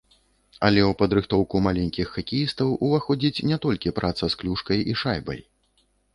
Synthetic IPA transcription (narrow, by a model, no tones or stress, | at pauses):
ɐ̰lʲɛwpɐd̪ɾɨxt̪ɔwkumalʲɛnʲkʲixːakʲijist̪ɐwʔuvaxɔd͡zʲit͡sʲnʲɛt̪ɔlʲkʲipɾʔat̪sɐsklʲuʂkɐjiʂajbɐ̰j